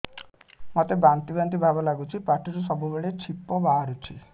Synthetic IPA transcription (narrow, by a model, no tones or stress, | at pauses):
mɔt̪ebant̪ibant̪̬ibʱabɔlaɡut͡ʃʰipaʈiɾus̬ɔbubeɭet͡ʃʰipːɔbaːɾut͡ʃʰi